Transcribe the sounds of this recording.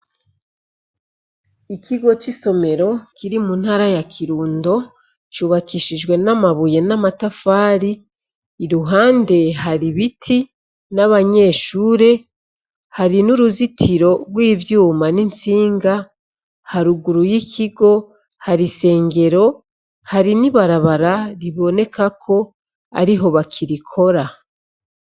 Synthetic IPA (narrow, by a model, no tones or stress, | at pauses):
ikʰiɡo̞t͡ʃiso̞me̞ɾo̞kiɾimun̥haːɾajakʰiɾuːndo̞ | t͡ʃuβakiʃid͡ʒɡwe̞namaβuje̞namatafaːɾiː | ɾuɦaːnde̞ɦaɾiβitʰi | naβaɲe̞ːʃuːɾe̞ | haɾinuɾuzitʰiɾo̞ɾwiːvjuːmanint͡siːŋɡa | haɾuɡuɾujicʰiɡo̞ | haɾise̞ːŋɡe̞ɾo̞ | haɾiniβaɾaβaɾaɾiβo̞ne̞kakʰo̞ | a̰ɾiɦo̞βakʰiɾikʰo̞ɾa